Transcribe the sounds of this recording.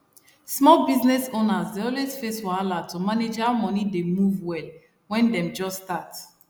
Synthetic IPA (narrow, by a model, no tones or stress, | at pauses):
smɔlbiznɛsonazdeɔlwesfeswɔalatʰumaned͡ʒamɔnidemuvwɛl | wɛ̃ndɛ̃md͡ʒɔstat